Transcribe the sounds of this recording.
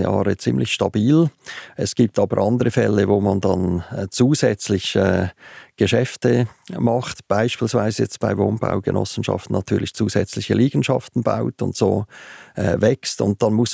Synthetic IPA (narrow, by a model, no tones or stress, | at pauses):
jɑːʁət͡simlɪçʃtɑb̥iːlɛsɡ̥iːp̚tʰɑːbəɾʔɑndəʁəfɛlːəvoːmɑndɑnt͡suːzɛt͡slɪçɛːɡ̥əʃɛftəmɑχtb̥aɪʃpiːlsvaɪzəjɛt͡st̚b̥aɪvoːnb̥a̰ʊɡ̥ənɔ̰sn̩ʃɑ̰ftn̩nːɑtʰyːʁlɪçt͡suːzɛt͡slɪçəliːɡ̥n̩ʃɑ̰ftn̩ba̰ʊtʊ̰ntsoːɛvɛkstʊ̰nt̚d̥ɑnmʊs